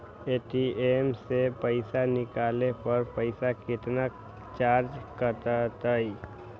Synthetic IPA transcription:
eːʈiemsepəɪsanɪkaːlepəɾpəɪsakɪt̪na | t͡ʃaːɾd͡ʒkət̪at̪əi

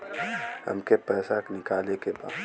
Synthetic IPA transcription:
hɐ̰mkepɛːsaknɪkaːlekeba̰ːd̪

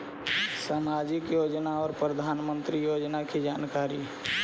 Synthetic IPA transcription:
samad͡ʒɪkjoːd͡ʒnaɔːɾpɾəd̪ʱaːnmə̃nt̪ɾijoːd͡ʒnakʰed͡ʒaːnkaːɾi

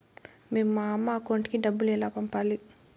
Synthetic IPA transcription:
mimːamːaːkoɳʈikidabːulelapampali

